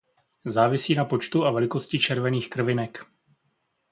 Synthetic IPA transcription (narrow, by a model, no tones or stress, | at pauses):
zaːvɪsiːnapo̞t͡ʃt̪uʔavɛlɪko̞scɪt͡ʃɛɾvɛniːxkr̩vɪnɛk